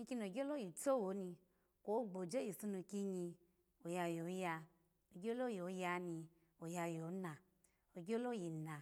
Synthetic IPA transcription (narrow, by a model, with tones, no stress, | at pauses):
ɲi˦˧ki˧n˨o˨ɡʲo˦lo˦ji˨t͡so˦wo˨˦nĩ˧ | kʷo˦ɡ͡bo˨d͡ʒe˦ji˨su˧nu˧˨ki˦ɲi˧ | o˨ja˧jo˨˦ja˧ | o˨ɡʲo˦lo˦jo˨˦ja˧ni˧ | o˨ja˧jo˨˦na˨ | o˨ɡʲo˦lo˦ji˨nã˨